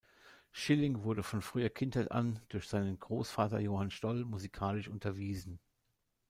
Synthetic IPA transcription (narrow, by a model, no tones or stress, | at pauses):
ʃɪlɪŋvʊɐɾəfɔnfʁ̥yːɐkʰɪnthaɪtʔa̰nd̥ʊɐçz̥aɪnənɡʁoːsfaːtɐjoːhanʃtɔlmuzikʰaːlɪʃʔʊntʰɐviːzn̩